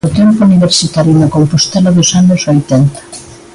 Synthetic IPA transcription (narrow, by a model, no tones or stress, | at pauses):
ot̪ɛmpouniβeɾsit̪aɾjunakompost̪ɛlaðosanʊsojt̪ɛnt̪ḁ